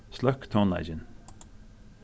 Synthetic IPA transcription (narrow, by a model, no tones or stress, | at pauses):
slœkt̪ʰɔna̰ɪd͡ʒɪn